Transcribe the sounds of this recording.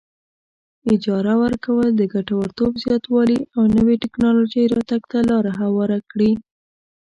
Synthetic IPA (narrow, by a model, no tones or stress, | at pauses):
ɪd͡ʒɑɾawəɾkawəld̪əɡaʈawəɾt̪obzjɑt̪wɑliawnəweʈɪknɑlod͡ʒəjɾɑt̪aɡt̪alɑɾaɦawɑɾakɽi